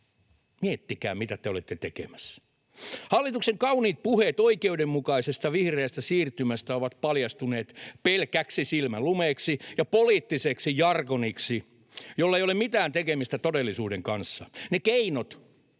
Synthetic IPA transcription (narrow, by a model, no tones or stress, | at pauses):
miet̪ːikæ̰ːmit̪æt̪eolet̪ːet̪ekḛmæs | hɑlːit̪ukseŋkɑuniːt̪̚puhet̪oikeudemmukɑisest̪ɑʋihreːst̪æsiːrt̪ymæst̪æoʋɑt̪pɑljɑst̪uneːt̪pelkæksisilmælumeːksijɑpoliːt̪ːiseksijɑrkoniksi | jolːɑeijolemit̪æːnt̪ekemist̪æt̪odelːisuːdeŋkɑnsːɑnekeinot̪